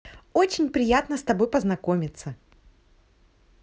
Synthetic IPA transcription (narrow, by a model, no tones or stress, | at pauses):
o̞t͡ɕɪnʲpɾʲɪjat̪nəst̪ɐbo̞jpəznɐko̞mʲɪt̪sə